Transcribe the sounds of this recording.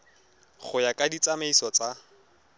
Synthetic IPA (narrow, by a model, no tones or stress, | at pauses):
χʊjakʼadit͡sameisɔt͡sa